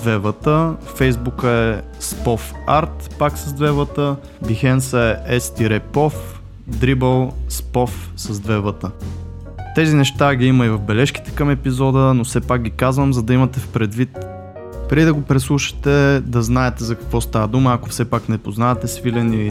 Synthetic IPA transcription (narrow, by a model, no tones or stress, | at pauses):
vɛvət̪əfɛjzbukəɛ | spɔfaɾt̪paksɐzd̪vɛvət̪ə | bixɛnsəɛʔɛst̪iɾɛpɔf | d̪ɾibəlˠspɔfsɐzd̪vɛvət̪ə | t̪ɛzinɛʃt̪aɡʲiiməivɐvbɛlɛʃk̟i̥t̪ɛ̥kəmɛpizɔd̪ənofsɛpak̚ɡʲikazvəmzɐd̪ɐimɐt̪ɛfpɾɛd̪vit̪ | pɾid̪ɐɡopɾɛslˠuʃə̥t̪ɛd̪ɐznaɛt̪ɛzɐkɐ̥kvɔst̪avəd̪uməɐkofsɛpaknɛpoznaɛt̪ɛsvilʲɛnii